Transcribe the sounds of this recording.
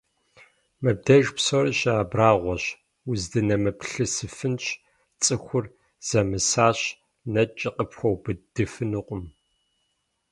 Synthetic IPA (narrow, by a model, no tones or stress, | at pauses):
mɐb̚dɐʒpsoɾɨɕaːbraːʁʷɔɕ | wʊzdɨnɐmɨpʰɬɨsɨfɨnɕ | t͡sʼɨxʷʊr | z̥ɐmɨsaːɕ | nɐt͡ʃʼɪqʼəpxʷɔwbɨd̥ɨfɨnuqʷʼʊm